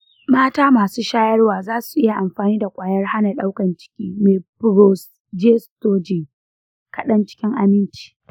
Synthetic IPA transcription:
maː˦taː˦maː˨suː˦ʃaː˦jɐ˦rwaː˨zaː˦su˨ʔɪ˦ja˨ʔa˨mɸaː˨niː˦da˨kʷʼaː˨jɐ˦rha˦na˨ɗa˦wkɐ˨nt͡ʃɪ̥˦kʲiː˦meː˨pɾo˦s | d͡ʒe˦stoː˦d͡ʒe˨ | kɐ˨ɗɐ˦nt͡ʃɪ̥˦kʲɪ˦ŋʔa˨mɪ˦nt͡ʃi̥ː˦

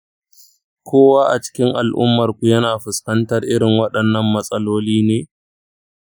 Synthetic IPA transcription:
kʷoː˦waː˦ʔa˨t͡ʃɪ̥˦kʲɪ˦ŋʔa˨lʔʊ̰˦mːɐ˨rkʷu˨jɐ˦naː˨ɸʊ˨skɐ˦ntɐ˦rʔɪ˦ɽɪ˨ŋwɐ˦ɗɐ˨nːɐ˦mːɐ˨sʼɐ˦loː˦liː˦neː˦

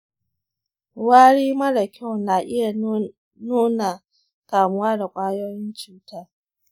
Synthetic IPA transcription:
waː˦ɽiː˦mɐ˦ɽɐ˨kʲʰa˦˨wnaː˨ʔɪ˦ja˨ | nuː˦na˨ | kaː˨mʊ˦waː˦da˨kʷʼaː˦joː˦jɪ˦nt͡ʃuː˨taː˦

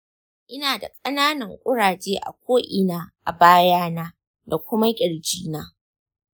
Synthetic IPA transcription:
ʔɪ˦naː˨da̰˨kʼɐ˦naː˦nɐ˨ŋkʷʼʊ˦ɽaː˨t͡ʃeː˦ʔa̰˨kʷoː˦ʔɪ˨naː˦ʔa̰˨baː˦jaː˦naː˦ | da˨kʷʊ˦ma˦kʲʼɪ˨ɽd͡ʒiː˦naː˦

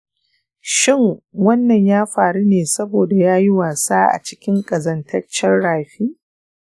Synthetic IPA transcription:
ʃɪ˦ŋwɐ˦nːɐ˨ɲjaː˦ɸaː˨ɽu˦neː˨sɐ˦boː˨da˨jaː˦ji˦waː˨saː˦ʔa̰˨t͡ʃɪ̥˦kʲɪ˦ŋkʼɐ˨zɐ˨ntʰɐ˦t͡ʃɐ˦rɽaː˨ɸiː˦

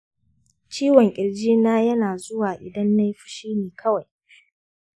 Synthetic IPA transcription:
t͡ʃiː˦wɔ˨ŋkʲʼɪ˨ld͡ʒiː˦naː˦jɐ˦naː˨zʊ˦waː˨ʔɪ˨dɐ˦nːa˦jɸʊ̥˨ʃiː˦neː˨kʰɐ˦wa˨j

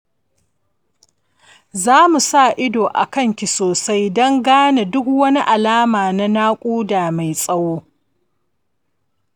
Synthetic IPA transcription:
zaː˦mu˨sa˦˨ʔɪ˦doː˨ʔa̰˨kɐ˦˨ŋkʲi˨soː˨sa˦jdɔ˦ŋɡaː˦na˨dʊ˦k̚wɐ˦ni˦ʔa˨laː˦maː˨na˦naː˦kʷʼuː˦daː˨ma˨jsʼɐ˦woː˦

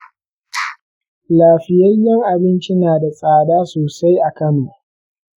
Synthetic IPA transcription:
laː˨ɸɪ˨jɐ˦jːɐ˦ŋʔa˨bɪ˦nt͡ʃi˦naː˨da˨sʼaː˨daː˦soː˨sa˦jʔa˨kɐ˦mu˨

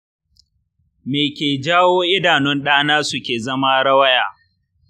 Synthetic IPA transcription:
meː˨kʲeː˨d͡ʒaː˦woː˦ʔɪ˦daː˨nʊ˦nɗaː˦naː˦sʊ˦kʲeː˨zɐ˦ma˦ɽɐ˦wɐ˦jaː˨

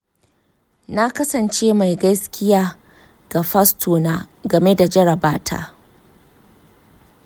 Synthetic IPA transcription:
na˦kɐ˦sɐ˨nt͡ʃeː˦ma˨jɡɐ˦skʲɪ˦jaː˦ | ɡ̥a˨ɸɐ˦stʰoː˨naː˦ɡɐ˨me˦da˨d͡ʒɐ˦ɽɐ˨baː˦tʰa̰ː˦

